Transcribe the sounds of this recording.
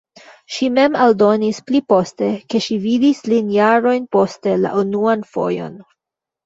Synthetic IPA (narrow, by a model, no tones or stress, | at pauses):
ʃime̞maldo̞nisplipo̞ste̞ke̞ʃividislinjaɾo̞jnpo̞ste̞la̰ʔunuanfo̞̰jo̞̰n